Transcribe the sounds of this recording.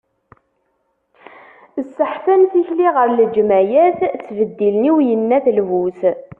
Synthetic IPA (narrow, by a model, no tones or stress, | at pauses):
əsːəħθænθiçliʁəɾləd͡ʒmæjæθt͡sːvəd̪ːilniwjənːæθlvuθ